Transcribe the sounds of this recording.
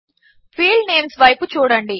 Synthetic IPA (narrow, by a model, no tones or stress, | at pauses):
fʰiːlneːmsʋɐjput͡ʃuːɽɐɳɖi